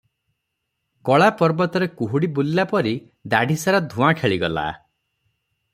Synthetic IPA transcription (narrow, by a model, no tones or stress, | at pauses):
kɔɭapɔɾbɔt̪ɔɾekuɦuɽibulːapɔɾi | d̪aɖʱisaɾɔd̪ʱũãkʰeɭiɡɔla̰